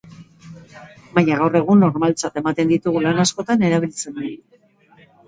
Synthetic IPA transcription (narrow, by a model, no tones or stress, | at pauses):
baɲaɣawre̞ɣ̞unːo̞ɾmalt͡sat̪e̞mat̪e̞nd̪it̪uɣulanasko̞t̪ane̞ɾaβ̞ilt͡se̞na